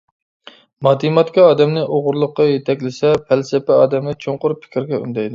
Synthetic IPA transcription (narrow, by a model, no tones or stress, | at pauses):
mɑd̪imɑt̪kʲɛɑːd̪ɛmnɪʔoʁʊɾlˠəqːɑjet̪ʰɛkʲlɪsɛpʰælsɪpɛɑːd̪ɛmnɪt͡ʃʰoŋqʊɾpʰːɪ̥kʲʰiɾɡʲɛy̰nd̪ɛjd̪ɪ